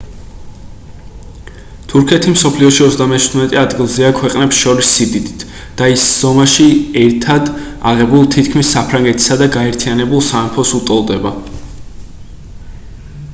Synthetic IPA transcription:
t̪ʰuɾkʰɛt̪ʰimsɔpʰliɔʃiɔzd̪amɛt͡ʃʰud̪mɛt̪ʼɛad̪ɡilˠziakʰwɛqʼnɛpsʃɔɾisːid̪id̪it̪ʰ | d̪̥aisz̥ɔmaʃiɛɾt̪ʰad̪ | a̰ʁɛbulˠt̪ʰit̪ʰkʰmisːapʰɾaŋɡɛt̪ʰi̥sad̪aɡaɛɾt̪ʰianɛbulˠsaɛmpʰɔsut̪ʼɔlˠd̪ɛba

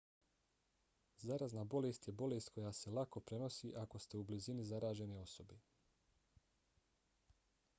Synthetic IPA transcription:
zaɾaznaːbo̞lest̪je̞bo̞lest̪̚ko̞jaːse̞lako̞pɾe̞no̞siːʔako̞st̪e̞ublizinizaɾaːʒe̞neo̞so̞be

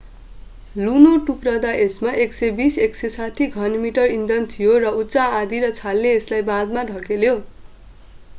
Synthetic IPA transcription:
lunoʈukrʌd̪aʔesmaʔeksebiseksesat̪ʰiɡʱʌnmiʈʌrind̪ʌnt̪ʰijorʌutːsaãd̪iɾʌt͡sʰalːeːslajbãd̪maɖʱʌkeljo

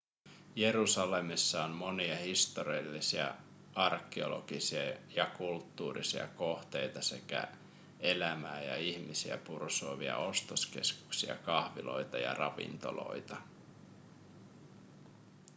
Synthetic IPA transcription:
je̞ɾusɑle̞misːɑonmo̞niɑhist̪o̞ɾiɑlːisiæ̰ | ɑrkːeo̞̰lo̞̰ɡ̥isiɑjɑkult̪ːuːrḭsiɑ̰ko̞ht̪e̞jt̪ɑse̞kæ̰ | e̞læmæːjɑ̰içmisiæ̰pursoːʋiɑ̰o̞st̪oske̞skuksiɑ̰kɑhʋilo̞̰jt̪ɑjɑ̰rɑʋḭnt̪o̞̰lo̞̰jt̪ɑ

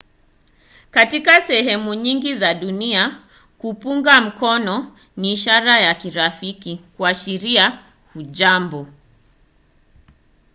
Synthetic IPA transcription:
katikasɛɦɛmuɲiŋɡizaɗunia | kupuŋɡam̩kɔnɔ | niːʃaɾajakiɾafikikuaʃiɾia | huʄambɔ

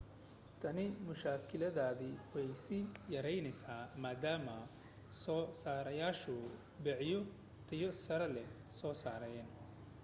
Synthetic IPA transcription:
t̪ʰɐnɪmʊʃaːkʰɪlɐðaːðɪwɛjsɪjɐɾɛjnɛjsaːmaːd̪aːmɐ | sɔːsaːɾɐjaːʃʊ | bɛʕjɔ | t̪ʰɐjɔsɐɾɐlɛ | sɔːsaːɾɐjɛːn

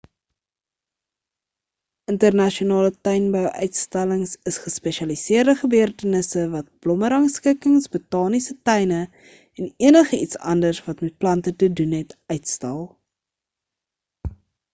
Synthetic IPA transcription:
əntərnɐʃionɑːlətœjnbœwʔœ̰ɥtstæləŋsəsχəspɛʃɐlisiərdəχəbøərtənəsəvɐt̚b̥lɔməɾɐŋskəkəŋsbətɑːnisətɛjnə | ɛniənəχəʔitsɐ̰ndərsvɐtmɛt̚plɐntətədunɦɛtœɥtstælˠ

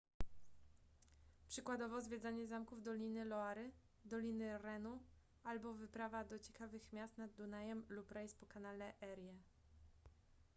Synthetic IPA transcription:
pʂɘkwad̪ɔvɔzvʲjɛd̪zaɲɛzamkuvd̪ɔlʲinɘlɔaɾɘ | d̪ɔlʲinɘɾɛnu | albɔvɘpɾavad̪ɔt͡ɕɛkavɘxmʲjast̪nad̪ːunajɛmlupɾɛjspɔkanalɛʔɛɾjɛ

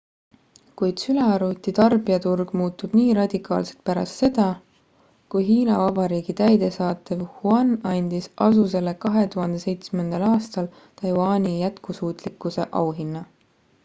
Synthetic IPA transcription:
kujd̪̥syleɑɾut̪ːˑit̪ɑrbiɑt̪urɡ̥muːt̪ːˑub̥niːɾɑd̪̥ʲikˑɑ̰ːlse̞lt̪̚pæɾɑ̰st̪se̞d̪̥ɑ | kujɦiːnɑvɑbɑɾiːɡ̥it̪æjd̪̥e̞sɑːt̪ːˑevhuɑnɑnʲd̪̥isʔɑsuse̞lːekɑɦe̞t̪uɦɑnd̪ese̞jt̪sme̞nd̪̥ɑlɑːst̪ɑl | t̪ɑjwɑːnʲijæt̪kusuːt̪ˑlikːuse̞ʔɑ̰wɦinːɑ

